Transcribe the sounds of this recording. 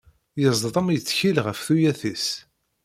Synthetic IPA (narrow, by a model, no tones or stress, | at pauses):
jəzˤðˤəmjət͡sːçilʁəfθujæθis